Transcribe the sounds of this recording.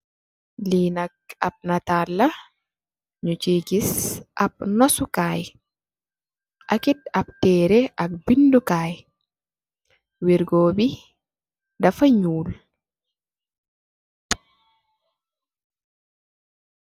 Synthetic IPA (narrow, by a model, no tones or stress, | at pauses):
linak̚a̰b̚natalːa | ɲut͡ʃiɡisʔa̰b̚nɔsukaːj | ʔakit̚ab̚tɛːɾɛʔak̚bindukaːj | wiɾɡoːbi | dafaɲuːl